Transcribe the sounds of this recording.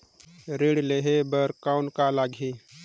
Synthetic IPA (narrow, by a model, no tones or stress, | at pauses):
ɾiɽleɦebəɾkaʊnkalaːɡʱi